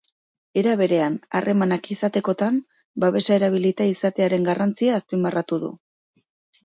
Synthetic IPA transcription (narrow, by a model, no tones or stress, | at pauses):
e̞ɾaβ̞e̞ɾe̞ana̰rʔe̞manakisat̪e̞ko̞t̪am | baβe̞sae̞ɾaβ̞ilit̪aisat̪e̞aɾe̞ŋɡarʔant͡siaːspimarat̪uðṵ